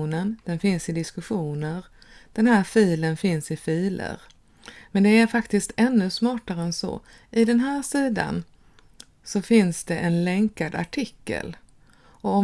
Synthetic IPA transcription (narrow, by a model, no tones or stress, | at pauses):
nənd̪̥ɛnfɪnsɪd̪ɪskɵɧuːnəɾ | d̪̥ɛnɦæːɾfiːlənfɪnsɪfiːlə̰ɾ | mɛnd̪ɛæɾfakt̪ɪst̪ʰɛnːɵsmɑːʈaɾəɛnsɔ̰ | ʔɪd̪ɛnɦæːɾʂiːd̪a̰n | sɔfɪnsd̪ɛʔɛnlɛŋkad̪a̰ʈʰɪkːə̰l | ɔɔ